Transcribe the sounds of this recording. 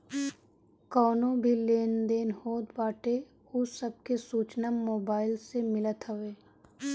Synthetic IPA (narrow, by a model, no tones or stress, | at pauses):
kɔːnõbʱileːnd̪eːnhoːd̪baːʈe | ʊsəb̚kesuːt͡ʃnəmmːoːbaːɪlsemɪlət̪ɦəʋeː